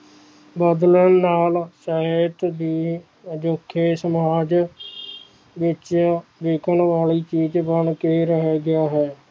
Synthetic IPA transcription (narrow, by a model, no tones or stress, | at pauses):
bəd̪lənːaːlsaet̪d̪iː | əd͡ʒokʰːeːsəmaːd͡ʒ | ʋɪt͡ʃʋeːkʰənʋaːliːt͡ʃiːd͡ʒbəɳkeɾəɦɛːɡɪaːɦɛː